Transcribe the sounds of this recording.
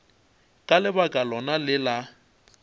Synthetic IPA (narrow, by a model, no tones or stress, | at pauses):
kʼalɪbakʼalɔnalɪla